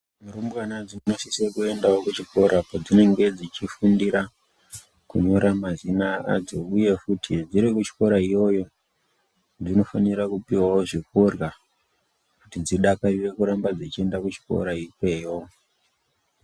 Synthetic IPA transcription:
muɾumbwanad͡zimuno̞sisekue̞ndaokut͡ʃiko̞ɾapad͡zine̞ŋɡe̞d͡zit͡ʃifundiɾa | kuɲo̞ɾamazinaa̰d͡zo̞uje̞futʰid͡ziɾikut͡ʃi̥ko̞ɾaijo̞jo̞ | d͡zino̞faniɾakupiwawoʐikorɣa | kutid͡ziɗakarire̞kuɾambad͡zit͡ʃie̞ndakut͡ʃi̥ko̰ɾaikwe̞ːjo̞

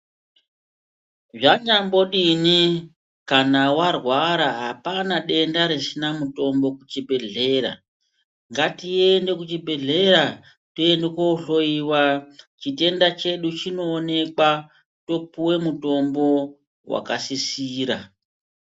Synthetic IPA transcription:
ʐaɲambo̞ɗini | kanawarwaɾaɦapanaɗe̞ndaɾesinamuto̞mbo̞kut͡ʃibʱe̞ɮe̞ɾa̰ | ŋɡatiende̞kut͡ʃibʱe̞ɮe̞ɾa | toendekouɬo̞iwat͡ʃite̞ndat͡ʃe̞ɗut͡ʃino̞ːne̞kwa | to̞puwe̞muto̞mbo̞ | wa̰kasisiːɾa

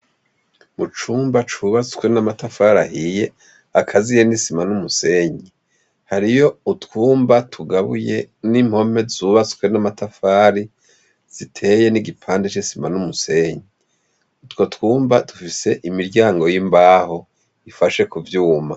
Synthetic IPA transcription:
mut͡ʃuːmbat͡ʃuβat͡su̥kwenamatafaːɾahije̞ | akʰazijenisimanumuse̞ɲi | haɾijo̞utkuːmbatʰuɡaβṵje̞nimho̞me̞zuːβat͡su̥kwe̞namatafaːɾi | z̥itʰe̞je̞niɡipʰaːndet͡ʃisimanumuse̞ːɲi | utwo̞tkuːmbatufise̞ʔimiɾɟaːŋɡo̞jimbaːho̞ | ifaʃe̞kuvjuːma

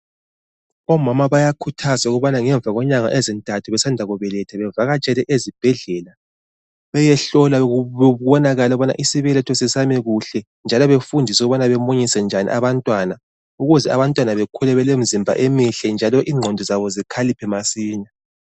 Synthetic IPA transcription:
ɔmamaβajakʰutʰazauɣuβanaŋɛɱb̪vʱaɣɔɲaŋa̰ʔezintʼatʰuβɛsandʱaɣuβɛlɛtʰɛβɛvaɣat͡ʃʼɛlɛʔezib̥ʱɛɮɛla | βɛjɛɬɔlauwɔnaɣalɛuβana̰ʔisiβɛlɛtʰɔsɛsamɛɣuɬɛ | nd͡ʒʱalɔβefundʱisuɣuβanaβɛmoɲisɛnd͡ʒʱanḭʔaβantʼwana | uɣuzɛaβantʼwanaβekʰulɛβɛlemizimbʱa̰ʔemiɬɛnd͡ʒʱalɔʔiːŋ͡ǃʱɔndʱɔzaβɔzikʰalipʰɛmasiːna

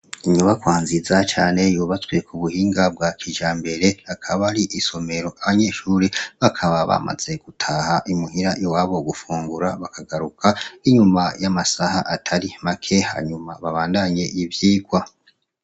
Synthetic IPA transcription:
iɲuβakwaːnzizat͡ʃaːne̞juːβat͡swe̞kʰuβuhiːŋɡab̚ɡwakʰid͡ʒaːmbe̞ɾe̞akʰaβaɾiʔiso̞me̞ɾo̞ʔaβaɲe̞ːʃuːɾeβakʰaβaβa̰ma̰z̥e̞ɡ̥utʰahaʔimuhiɾajowaːβo̞ɡufuːŋɡuɾaβakʰaɡaɾukʰaiɲumajamasahaʔatʰaɾimakʰe̞ha̰ːɲumaβaβaːndaɲe̞ivjiːɡwa

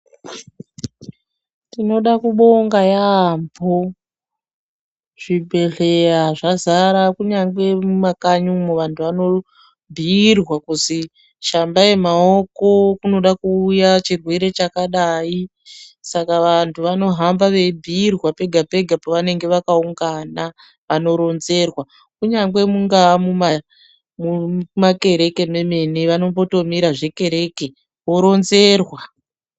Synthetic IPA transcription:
tino̞ɗakuɓo̞ŋɡajambʱo | ʐ̥ibʱe̞ɮe̞aʐazaɾakuɲaŋɡe̞mumakaɲumoʋantʰuʋano̞ | bʱirwakuzi | ʃambaje̞mao̞ko̞kuno̞ɗakuːjat͡ʃirwe̞ɾe̞t͡ʃakaɗai | sakaʋantʰuʋano̞ɦambaʋe̞bʱiːrwape̞ɡʱape̞ɡʱapoʋane̞ŋɡe̞ʋakauŋɡana | ʋano̞ɾo̞nze̞rwa | kuɲaŋɡwe̞muŋɡamuma | mumake̞ɾe̞ke̞me̞me̞neʋano̞mbo̞to̞miɾaʐe̞ke̞ɾe̞ːke̞ | wo̞ɾo̞nze̞rwa

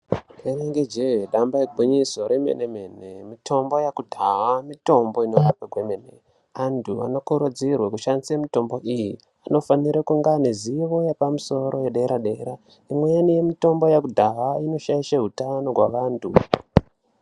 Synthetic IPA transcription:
eneŋɡed͡ʒeɦɗambaekbʱuɲiso̞ɾimḛnemenemitʰo̞mbo̞jakudʱawamito̞mbo̞ino̞rapaɡwemenḛ | antʰuʋa̰no̞kuɾud͡zirwakuʃanziemito̞mbo̞ʔiji | ano̞faniɾekuŋɡaniziʋo̞jepamuso̞ɾojeɗeɾaɗe̞ːɾa | imwejanije̞mito̞mbo̞jakudʱaɦaino̞ʃaiʃaɦutano̞ɡʱwa̰ʋaːntʰu

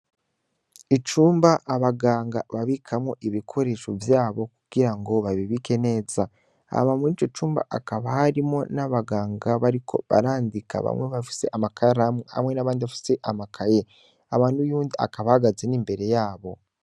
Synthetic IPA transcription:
it͡ʃuːmbaʔːβaɡaːŋɡa̰βaβikʰamŋo̞ʔiβikʰo̞ɾe̞ːʃovjaːβo̞kuɡ̥iɾaŋɡo̞βaβiβike̞ne̞ːza | a̰βamunit͡ʃo̞t͡ʃuːmba̰ʔakaβahaɾimo̞naβaɡaːŋɡaβaɾikʰo̞̰βa̰ɾaːndika̰βa̰mweβafi̥se̞ʔamakʰaɾamha̰mwe̞naβaːndiβafi̥se̞ʔamakʰaje | aβaːndujuːndia̰kaβahaɡazenimbe̞ɾe̞jaːβo̞

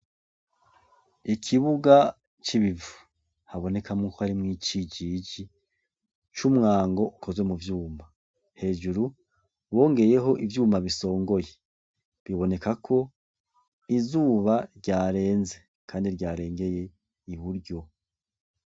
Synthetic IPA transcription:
ikʰiβuɡa | t͡ʃiβivu | haβo̞ne̞kamŋukohaɾimŋiːt͡ʃiɟiɟi | t͡ʃumŋaːŋɡo̞ʔukʰo̞zwemuvjuːmba | he̞ːʒuɾu | βo̞ːŋɡe̞je̞ɦo̞ʔivjuːmbaβiso̞ːŋɡo̞je | βiβo̞ne̞kakʰo̞ | izuːβaɾɟaːɾe̞ːnze̞ | kʰaːndiɾɟaːɾe̞ːŋɡe̞je̞ | iβuɾɟo̞

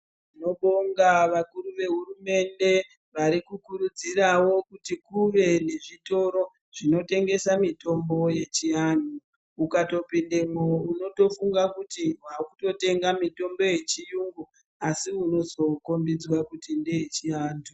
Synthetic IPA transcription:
ino̞ɓo̞ŋɡaʋakuɾuʋe̞ɦurume̞nde̞ | ʋaɾikukuɾud͡zirawo̞kutikuʋe̞ne̞ʐito̞ɾo̞ | ʐ̥ino̞te̞ŋɡe̞samito̞mbo̞je̞t͡ʃiandu | ukato̞pindemouno̞to̞fuŋɡakutiwakuto̞te̞ŋɡamito̞mbo̞je̞t͡ʃijuŋɡu | asiuno̞zo̞ko̞mbid͡zwakutindeet͡ʃiaːndu

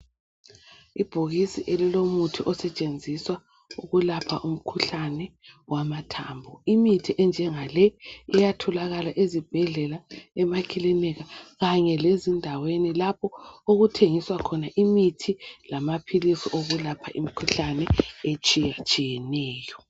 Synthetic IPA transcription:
ib̥ʱuɣisiʔelilomutʰiʔɔsɛt͡ʃʼend͡zʱiswa | uɣulapʰa̰ʔum̩kʰuɬanɛ | wamatʰaːmbʱɔimitʰiʔɛnd͡ʒʱɛŋalɛɛjatʰɔlaɣalaʔezib̥ʱɛɮɛlaɛmakʰilɛnɛɣaɣaɲɛlezindʱawenilapʰɔoɣutʰeŋiswakʰɔnaʔimitʰilamapʰilisiʔoɣulapʰaʔimikʰuɬanɛet͡ʃʼijat͡ʃʼijɛnɛːjɔ

